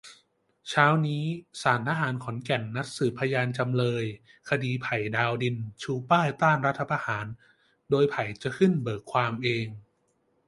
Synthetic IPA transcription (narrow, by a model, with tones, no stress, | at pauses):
t͡ɕʰaː˦˥wniː˦˥saː˩˦nt̪ʰaː˧ɦaː˩˦nkʰɔ˩˦nkɛ˨˩nːa˦˥t̪̚sɯː˨˩pʰːa˧jaː˧nt͡ɕa˧mlɤː˧j | kʰa˧diː˧pʰa˨˩jdaː˧wdi˧nt͡ɕʰuː˧paː˥˩jt̪aː˥˩nɾa˦˥t̪ʰːa˧pʰaː˧haː˩˦n | doː˧jpʰa˨˩jt͡ɕa˨˩kʰɯ˥˩nbɤː˨˩kʰːwaː˧mʔeː˧ŋ